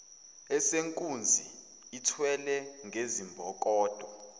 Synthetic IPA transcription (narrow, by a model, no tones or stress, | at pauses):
ɛseŋkʼund͡zʱi | itʰwɛlɛŋɡʱezimbʱɔk̬ʼɔːd̥ʱɔ